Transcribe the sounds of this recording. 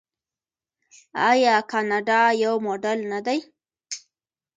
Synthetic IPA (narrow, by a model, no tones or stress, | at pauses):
ɑ̰jɑkɑnɑɖɑjawmoɖalnad̪aj